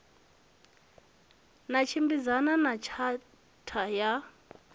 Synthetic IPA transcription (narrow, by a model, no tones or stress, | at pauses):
nat͡ʃʰimbid͡zananat͡ʃʰa | tʰaja